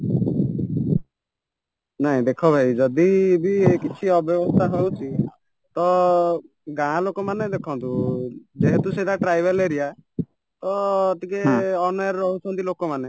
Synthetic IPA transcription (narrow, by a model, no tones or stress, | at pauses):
naɦĩd̪ekʰɔbʱaid͡ʒɔd̪ibiekit͡ʃʰiɔbjɔbɔst̪ʰaɦowt͡ʃʰi | t̪ɔ | ɡãɦãlokɔmaned̪ekʰɔnt̪ud͡ʒeɦet̪used̪aʈɾajbeleɾija | t̪ɔːt̪ikeɔnɔɾːɔɦut͡ʃʰɔnt̪ilokɔmane